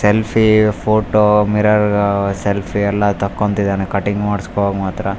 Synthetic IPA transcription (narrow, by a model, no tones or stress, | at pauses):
selpʰipʰoːʈomiɾɐɾselpʰiɛlːɐt̪ɐkːont̪id̪aːnekɐʈːiŋɡmaːɽiskoʋaːɡɐmaːt̪ɾɐ